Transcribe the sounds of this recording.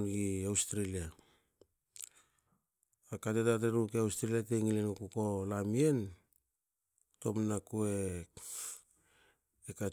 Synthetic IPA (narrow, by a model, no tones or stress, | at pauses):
nɡiawstɾelia | akatetat̬eɾukeawstɾeliateŋilenokuko̞lamie̞n | to̞mnakue̞ | eka